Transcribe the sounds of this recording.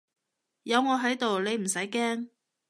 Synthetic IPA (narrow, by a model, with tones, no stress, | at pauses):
jɐ˨˧wŋɔː˨˧ɦɐ˨˥jt̪o˨wle˨˧jm̩˨˩sɐ˨˥jkɛː˥ŋ